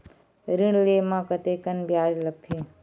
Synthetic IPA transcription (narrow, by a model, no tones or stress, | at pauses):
ɾiɳ̃leːmãːkət̪ekənbjaːd͡ʒləɡ̚t̪ʰi